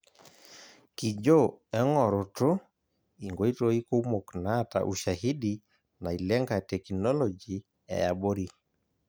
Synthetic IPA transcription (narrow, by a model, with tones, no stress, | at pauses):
ki˨d͡ʒo˦ɛ˦ŋɔ˨ɾo˨to˦ | i˨ŋɡo˨˦i˦to˦i˦ko˦mo˨kna˦ta̰˨ʔu˨ʃa˨hi˦di | na˨i˨lɛ˦ŋɡa˨tɛ˨knɔ˦lɔ˨d͡ʒi˨ | ɛ̰˨ja˨ɓo˦ɾi˨